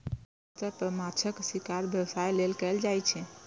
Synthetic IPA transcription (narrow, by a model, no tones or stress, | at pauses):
t̪əpəmat͡ʃʰəksikaɾbjəwsajlelkɛld͡ʒajt͡ʃʰɛ